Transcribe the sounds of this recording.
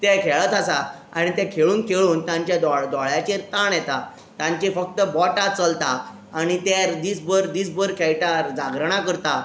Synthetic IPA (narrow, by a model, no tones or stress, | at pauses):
t̪ɛkʰeɭət̪asa | aɽ̃it̪ɛkʰeɭuːnkʰeɭuːnt̪jãɲt͡ɕjad̪ɔɭd̪ɔɭjat͡ɕeɾt̪aɳjɛt̪a | t̪ãɲt͡ɕẽfək̚t̪əbɔʈat͡səlt̪aː | ñit̪aɾd̪iːt͡sbəɾd̪iːt͡sbəɾkʰɛɭʈaɾd͡zaɡɾɳ̃akəɾt̪a